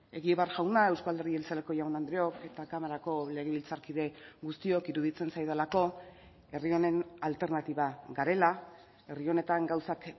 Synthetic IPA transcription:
e̞ɣieβeaɾʝawnae̞wskald̪e̞rielt͡sale̞ko̞jawnand̪ɾeo̞ke̞t̪akamaɾako̞le̞ɣe̞β̞ilt͡saɾkiðe̞ɡust̪io̞kiɾuðit͡se̞nsajðalako̞ | e̞rio̞ne̞nalt̪e̞ɾnat̪iβaɡaɾe̞la | e̞rio̞ne̞t̪aŋɡawsak

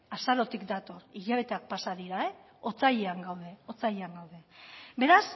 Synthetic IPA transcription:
asaɾo̞t̪ikd̪at̪o̞ɾiʎaβe̞t̪e̞ak̚pasaðiɾae | o̞t͡sajeaŋɡawð̞e̞o̞t͡sajeaŋɡawðe̞be̞ɾas

